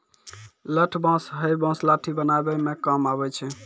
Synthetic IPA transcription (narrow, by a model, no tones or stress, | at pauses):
ləʈʰbãsɦəjbãslaʈʰibənaebɛmekamabɛt͡ʃʰɛ